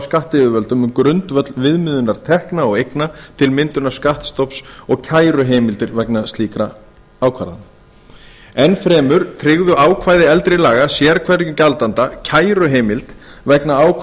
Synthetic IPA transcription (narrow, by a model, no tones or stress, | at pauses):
skaht̪ɪʏvœlt̪ʏmʏmkɾʏnt̪vœt̪lvɪðmʏːðʏnaɾ̥t̪ʰɛhknaɔɣejknat̪ʰɪlmɪnt̪ʏnaɾ̥skaht̪st̪ɔpsɔɣcʰaːjɾʏɦejmɪlt̪ɪɾvɛknast̪liːkɾa | aːwkʰva̰ɾða̰n | ɛnfɾɛːmʏɾ̥t̪ʰɾɪɣðʏaːwkʰvaːjðɪɛlt̪ɾɪlaːɣasjɛɾkʰvɛɾcʏcalt̪ant̪acʰaːjɾʏɦeːmɪlt̪ | vɛknaaːwkʰ